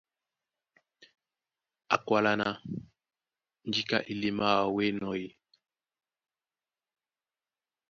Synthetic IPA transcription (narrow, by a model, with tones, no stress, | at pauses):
a˨kwa˨la˦na˦ | n˨d͡ʒi˦ka̰˨ʔi˨li˦ma˦wa˨we˦nɔ˨ji˨